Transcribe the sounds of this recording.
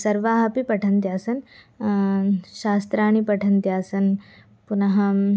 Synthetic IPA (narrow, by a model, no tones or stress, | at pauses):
sɐɾʋaːɦɐpipɐʈʰɐnt̪jaːsɐn | ɕaːst̪ɾaːɳ̃ipɐʈʰɐnt̪jaːsɐn | punɐɦɐ